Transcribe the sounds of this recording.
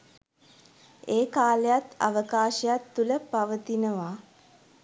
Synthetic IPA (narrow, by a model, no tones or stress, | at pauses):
eːkaːlejat̪a̰ʋəkaːʃəjat̪ːuləpaʋət̪inəʋa